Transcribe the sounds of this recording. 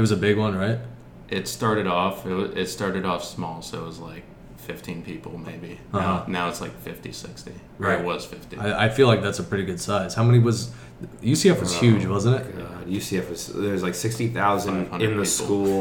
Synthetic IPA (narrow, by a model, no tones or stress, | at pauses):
ɨt̚wʌzɨbɪɡwʌ̃nɹaɪt̚ | ʔɪtstɑɹɾɨɾɔfɪt̚wʌɪtstɑɹɾɨɾɔfsmɔlˠsoʊət̚wʌzlaɪk̚ | fɪftʰĩnpʰipl̩ˠmeɪbiʌʌnaʊɨtslaɪkfɪftḭsɪ̰ksti | ɹaɪt̚wʌz̥fɪftiaɪa̰ɪfilaɪk̚ðætsəpʰɹ̥ɪɾiɡʊd̥saɪz̥haʊmɛñiwʌz | jɨsiɨfwʌz̥hjʉd͡ʒwʌzə̃n̩tɨt̚ɑ̥jɨsiɨfʌz̥ðə˞zlaɪksɪkstiθaʊz̃n̥̚hʌ̃nɪ̃nðɨis̩ˠkulˠ